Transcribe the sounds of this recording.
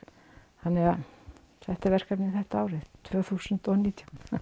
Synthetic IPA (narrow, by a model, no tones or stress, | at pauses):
hanːɛɣa | θɛht̪aɾvɛr̥kapnɪθɛht̪aaːwɾɪðt̪ʰvœːθusənt̪ɔniːt̪ʰjawn